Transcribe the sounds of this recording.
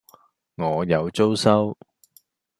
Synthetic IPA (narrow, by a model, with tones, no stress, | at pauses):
ŋɔː˨˧jɐ˨˧wt͡so˥wsɐ˥w